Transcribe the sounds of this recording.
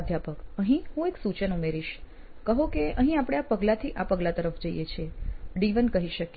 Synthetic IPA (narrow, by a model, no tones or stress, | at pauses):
d̪ʱjapəkəɦĩɦũeksut͡ʃənumeɾiʃ | kəɦokeəɦĩapɽ̃eapəɡlat̪ʰiʔapəɡlat̪əɾəfd͡ʒəijet͡ʃʰeɖiʋənkəɦiʃək